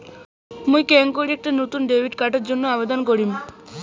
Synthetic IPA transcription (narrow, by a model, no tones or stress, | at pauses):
mũjkɛŋkoɽiek̚ʈanot̪unɖebʱiʈkaʈeɾd͡ʑonːoabed̪ɔnk̬oɾim